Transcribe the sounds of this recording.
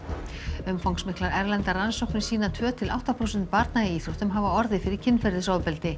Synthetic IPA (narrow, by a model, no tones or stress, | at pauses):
ʏmfawŋksmɪhklaɾɛɾlɛnt̪aransɔwhknɪ̥siːnat̪ʰvœːt̪ʰɪla̰wht̪aθawsɛnt̪̚paɾt̪naɪiːθut̪ʏmɦaːvaɔɾðɪfɪɾɪɾ̥cʰɪnːfɛɾðɪsaːwpɛlt̪ɪ